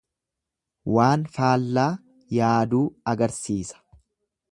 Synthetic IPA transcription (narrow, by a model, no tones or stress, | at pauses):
waːnfaːlːaː | jaːd̪uːɐɡɐɾsiːsɐ̥